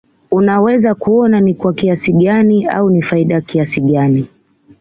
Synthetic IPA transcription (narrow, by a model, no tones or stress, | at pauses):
unawɛzakuɔnanikwakiasiɠania̰unifaiɗajkiasiɠani